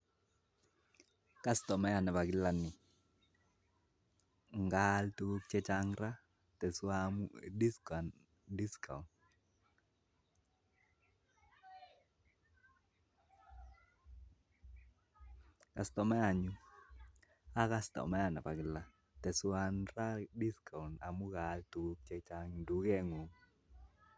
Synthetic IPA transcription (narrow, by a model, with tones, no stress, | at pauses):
ka˦stɔ˨mɛ˦ja˨nɛ˨pa˨ɡɪ˦la˨nɪ˨ | ŋɡaltu˦o˦k̚t͡ʃɛ˦t͡ʃa˦ŋɾa˦ | tɛ˨samdi˦skn | di˦ska̰˨ | ka˨stɔ˨mɛ˦a˨ɲu˦ | a˦ka˦stɔ̰˨mɛ˦a˨na˨pa˨ɡla˦ | tɛ˨swa˦nra˦di˦ska˨u˨na̰˨mu˦ɡaltu˨o˦k̚t͡ʃɛ˦t͡ʃa˦ŋdu˨ɡe˦ŋo˨ŋ